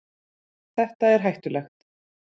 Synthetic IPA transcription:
θɛht̪aɛɾ̥ɦajht̪ʏlɛxt̪

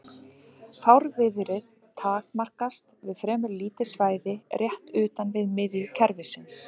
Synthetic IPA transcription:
fawɾvɪðɾɪð | t̪ʰaːkmar̥kast̪vɪðfɾɛːmʏliːt̪ɪsvaːjðɪrjɛht̪ʏːt̪anvɪðmɪðjʏcʰɛɾvɪsɪns

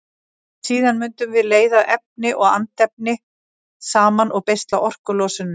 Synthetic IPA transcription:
siːðanmʏnt̪ʏmvɪðleːjðaʔɛp̚nɪʔɔɣa̰nt̪ɛp̚nɪ | saːmanʔɔɣpejst̪laʔɔr̥kʏlɔːsʏnːʏ

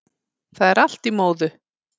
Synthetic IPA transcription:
θaðɛɾal̥t̪imoːwðʏ

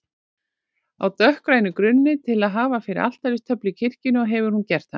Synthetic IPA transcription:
a̰wt̪œhkɾaːjnʏkɾʏnːɪt̪ʰɪlaðɦaːvafɪɾɪ̰ʔa̰l̥t̪ajɾɪst̪ʰœplʏcʰɪr̥cɪnʏɔɣɦɛvʏɾ̥huncɛr̥t̪ha̰n

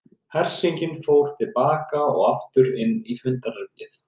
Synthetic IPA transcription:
hɛr̥siɲcɪnfowɾ̥t̪ʰɪlpaːkaɔ̰ɣaft̪ʏɾɪnːifʏnt̪arœpnɪθ

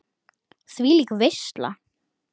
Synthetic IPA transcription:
sviːlikvejst̪la̰

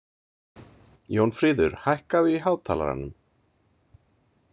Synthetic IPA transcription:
jownfɾiːðʏɾ̥hajhkaðʏiɦaːwt̪ʰaːla̰ɾa̰nːʏm

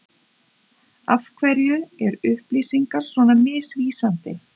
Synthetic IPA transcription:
afkʰvɛɾjʏɛɾʏhpliːsiŋkaɾ̥svɔːnamɪːsviːsant̪ɪ

